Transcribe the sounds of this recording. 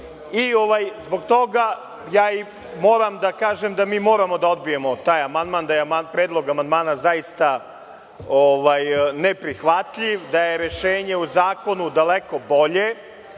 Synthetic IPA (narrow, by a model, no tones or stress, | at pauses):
io̞ʋajzbo̞ɡt̪o̞ɡa | jaːi | mo̞ːɾamd̪akaːʒemd̪amiːmo̞ːɾamo̞d̪ao̞d̪̚bije̞mo̞t̪aːjamand̪maːnd̪ajemapɾeːd̪lˠo̞ɡamand̪maːnazajist̪a | oʋajne̞pɾixʋat̪ʎiʋd̪aje̞ɾe̞ʃe̞ːɲe̞uzaːko̞nud̪aleko̞bo̞ʎe